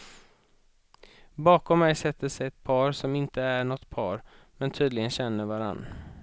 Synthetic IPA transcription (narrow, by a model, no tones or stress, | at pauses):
bɑːkɔmːɛjsɛt̪ʰːəsɛjɛt̪̚pʰɑːɾsɔmɪnt̪əæɳɔt̪ːpʰɑːɾ | mɛnt̪ʰyːd̪lɪɡənɕɛnːəɾvaɾa̰nː